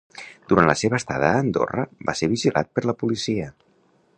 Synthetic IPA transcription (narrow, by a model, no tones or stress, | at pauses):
d̪̥uɾanləseβəːst̪aðəːnd̪o̰rəbaseɾβiʒilʔa̰t̪̚pəɾləpulisiə